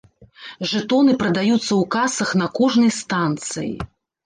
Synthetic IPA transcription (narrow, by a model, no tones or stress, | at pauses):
ʐɨt̪ɔnɨpɾɐd̪ajut̪sːɐwkasɐxnɐkɔʐnɐjst̪ant̪sɨjḭ